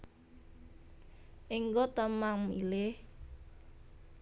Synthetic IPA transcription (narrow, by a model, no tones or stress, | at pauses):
ʔiŋɡɔt̪əmaŋmḭlɪh